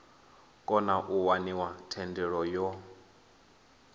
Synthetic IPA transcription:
kʼɔnaʔuwaniwatʰɛndɛɺɔjɔ

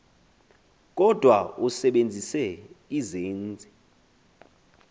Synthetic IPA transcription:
kʼɔd̥ʱwausɛɓend͡zʱisɛizeːnd͡zʱi

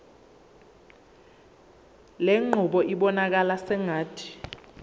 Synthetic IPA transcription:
leŋ͡ǃʱuɓɔʔiɓɔnak̬alasɛŋaːtʰi̥

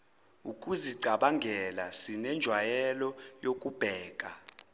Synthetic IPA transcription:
ukʼuziɡ͡ǀʱaɓaŋɡʱɛlasinɛnd͡ʒʱwajɛlɔjokʼub̥ʱɛːk̬ʼa

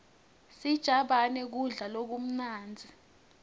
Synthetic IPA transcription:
sid̥ʒ̥ʱaɓanɛk̬uɮalok̬um̩naːnd͡zʱi

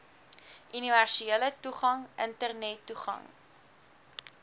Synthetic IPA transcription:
ʔyniværsielətuχɐŋʔəntərnɛtːuχɐ̰ŋ

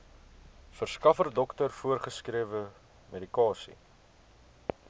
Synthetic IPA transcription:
fərskɐfərdɔktərfuərχəskɾiəvə | medikɑːsḭ

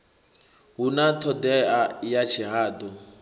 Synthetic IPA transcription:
ɦunatʰɔd̪ɛajat͡ʃʰiɦaːd̪ɔ

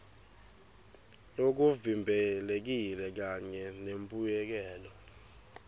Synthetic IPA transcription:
ok̬uvimbʱɛlek̬ilɛk̬aɲɛnempʼujɛk̬ɛːlɔ

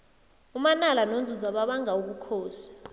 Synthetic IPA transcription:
umanalanond͡zʱud͡zaɓaɓaŋauk̬ukʰɔːsḁ

